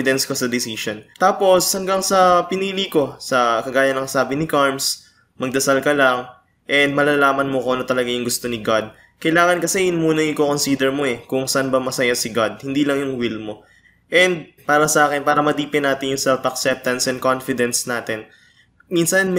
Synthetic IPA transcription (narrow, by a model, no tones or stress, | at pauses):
ɪd̪ɛnskosɐd̪ɪsiʃont̪aːpo̞shɐŋɡaŋsɐpɪniːliko̞sɐkɐɡaːjɐnɐŋsaːbɪnɪkaɹms | mɐɡ̚d̪ɐsalkɐlɐŋ | ʔɛnd̪̚mɐlalaːmɐnmokoːnot̪ɐlɐɡajʊŋɡʊst̪o̞nɪɡad̪̚ | kɐjlaːŋɐnkɐsɛjʊnmuːnɐŋʔɪkoko̞nsid̪ɛɹmo̞ɛkʊŋsɐʔanbɐmɐsɐjasɪɡad̪̚hɪnd̪iːlɐŋjʊŋwilmo̞ | ʔɛnd̪̚ | paːɾɐsɐʔaːkɛnpaːɾɐmɐd̪iːpɛnaːt̪ɪnjʊŋsɛlfɐksɛp̚t̪ɐnsɛn̚konfɪd̪ɛnsnaːt̪ɪn | minsɐnm